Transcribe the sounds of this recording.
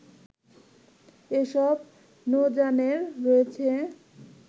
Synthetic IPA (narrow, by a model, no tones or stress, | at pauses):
eʃɔb | nod͡ʑaneɾɾoet͡ɕʰe